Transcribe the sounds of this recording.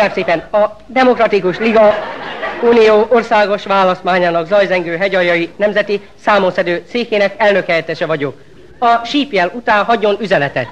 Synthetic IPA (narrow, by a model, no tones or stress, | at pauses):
aːbseːpɛnɒ | d̪ɛmo̞krɒt̪ikuʃliɡɒ | uːnijoːʔorsaːɡo̞ʃʋaːlɒst̪maːɲaːnɒɡzɒjzɛŋɡøːɦɛɟɒjɒjinɛmzɛt̪i | saːmosɛd̪øːt̪seːkeːnɛkɛlnø̞khɛjɛt̪ɛʃɛvɒɟo̞k | ɒʃiːpjɛlut̪aːnɦɒɟo̞nyzɛnɛt̪ɛ̰t̪